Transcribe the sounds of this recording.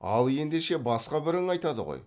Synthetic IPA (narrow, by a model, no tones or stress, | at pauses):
ɑlˠe̞nd̪eʃe̞bɑsqɑbɪɾɪŋɑjt̪ɑd̪ə̰ʁo̰j